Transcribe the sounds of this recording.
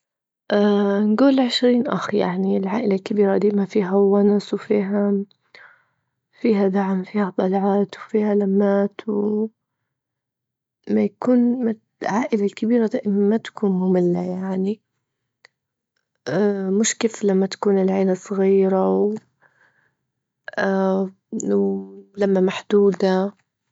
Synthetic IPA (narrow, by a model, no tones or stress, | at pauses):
ʔanɡuːlʕɪʃɾiːnʔa̰xja̰ʕniɪlʕaːʔɪlalkabiːɾad̪iːmafiːɦawanswfiːɦa | fiːɦad̪aʕmfiːhat̪ˤɑlʕaːt̪wfiːhalamːaːt̪w | majakuːnma | ʕaːʔɪlalkabiːɾad̪aːʔɪmamːat̪ḁkuːnmʊmɪlːajaʕni | mɪʃkeːflamːat̪ḁkuːnɪlʕeːlasˤɣiːɾaw | wlamːamaħd̪̥uːd̪a